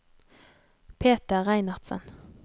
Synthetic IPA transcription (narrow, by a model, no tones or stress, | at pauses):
pʰeːt̪əʁæɪnɑʁd̪sə̰n